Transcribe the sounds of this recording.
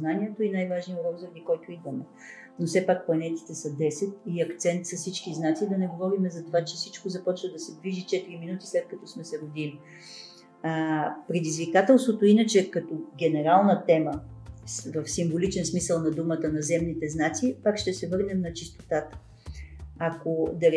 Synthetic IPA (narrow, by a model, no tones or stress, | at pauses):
znanʲiɛt̪oinajvaʒniʊɾɔɾzɐnikɔlt̪oid̪vɐmɛ | nofsɛpak̚plˠɐnɛt̪i̥t̪ɛsɐd̪ɛsɛt̪iɐkt̪sɛnt̪sɐsit͡ʃkiznat̪sid̪ɐnɛɡovɔɾimɛzɐt̪ovat͡ʃɛsit͡ʃkozɐpɔt͡ʃnəd̪ɐsɛd̪viʒit͡ʃɛt̪iɾiminut̪i̥slɛt̪̚kɐt̪ɔsmɛsɛɾod̪imi | pɾɛd̪izvikat̪ɛlˠst̪vot̪oinət͡ʃɛkɐt̪ɔɡʲɛnɛɾalˠnət̪ɛmə | vəfsimvolit͡ʃɛnsmisəlˠnɐd̪umət̪ənɐzɛmnit̪ɛznat̪sipakʃt̪ɛsɛvɤɾnɛmnɐt͡ʃist̪o̥t̪at̪ə̥ | akod̪ɐɾ